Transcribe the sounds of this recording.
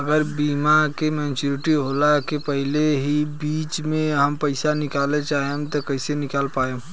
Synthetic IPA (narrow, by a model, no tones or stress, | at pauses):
ɐɡəɾbiːmakemɛ̃ːnt͡ʃuɾɪʈiɦoːlakepɐɦɪleɦibiːt͡ʃmẽɦɐmpɐɪsanɪkaːlet͡ʃaːɦemt̪okɐɪsenɪkaːlpaːe